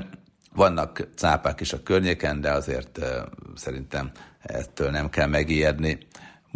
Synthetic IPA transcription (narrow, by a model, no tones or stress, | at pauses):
ʋɒnːɒkt̪saːpaːkiʃɒkørɲeːkɛnd̪ɛɒzeːrt̪sɛɾint̪ɛmɛ̰t̪ːøːlnɛmkɛlmɛɡiɛd̪ni | m